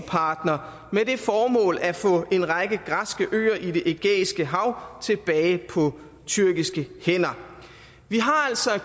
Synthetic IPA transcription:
pʰɑ̈ːd̥nɐ | mede̝fɒːmɔ̰̽ːlæfɔ̰̽e̝nʁɑɡ̥əɡ̥ʁasɡ̥əʔø̰ːɐʔide̝ʔeɡ̥ḛːisɡ̥əɦɑ̈ʊ̰t͡sʰe̝b̥ɛːɪpʰɒ̽ | t͡sʰyɐɡ̥isɡ̥əhen̰ɐ | ʋiɦɑ̈æl̰sɒ̽

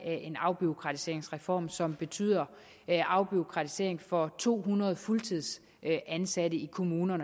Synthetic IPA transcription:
æʔe̝nɑ̈ʊb̥io̝kʰʁɑ̈t͡sʰi̥se̝ɐeŋsʁɛfɒ̰ːmsɒ̽mb̥e̝t͡sʰy̰ːð̰ˠɐ | ʔɑ̈ʊb̥io̝kʰʁɑ̈t͡sʰi̥se̝ɐe̝ŋfɒ̽t͡sʰo̝̰ːɦunɐð̞ˠfult͡sʰið̞̰ˠs | ænsæd̥əikʰo̝muːnɐnə

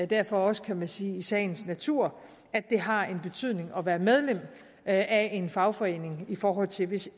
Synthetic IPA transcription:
d̥æɐfɒ̽ɒ̽sə̥kʰæmænsiːisɛ̰ɪn̩snæt͡sʰuɐ̰ | æd̥e̝ɦɑ̈e̝nb̥e̝t͡sʰyð̰ˠne̝ŋɒ̽ʋæːɐmeð̞ˠlem̰ | æe̝nfɑ̈ʊfɒ̽e̝̰ːne̝ŋifɒːɦɒ̽l̰t͡sʰe̝lʋe̝s

